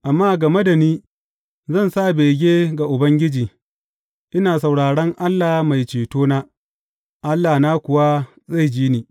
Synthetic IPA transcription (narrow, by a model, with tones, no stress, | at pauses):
ʔa˨mːaː˦ɡɐ˨me˦da˨niː˦ | zɐ˦˨nsa˦˨beː˨ɡʲeː˦ɡa˨ʔʊ˨bɐ˦ŋɡʲɪ˦d͡ʒiː˨ | ʔɪ˦naː˨s̬a˨wɽaː˨ɽɐ˦ŋʔa˦lːaː˨ma˨jt͡ʃeː˨toː˦naː˦ | ʔa˦lːaː˨naː˦kʷʊ˨wa˦ | za˦˨jd͡ʒiː˦niː˨